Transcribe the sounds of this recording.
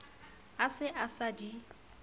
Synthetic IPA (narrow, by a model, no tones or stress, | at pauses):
asɪʔasadi